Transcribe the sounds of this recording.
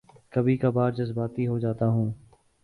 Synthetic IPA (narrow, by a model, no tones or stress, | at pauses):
kəbiːkabaːɾd͡ʒəzbaːt̪iɦod͡ʒaːt̪aːɦũː